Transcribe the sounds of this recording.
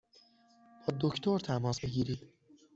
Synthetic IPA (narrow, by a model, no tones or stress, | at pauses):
b̥ɒːd̪oct̪ʰoɾt̪ʰæmɒːsbe̞ɟiːɾiːd̪̥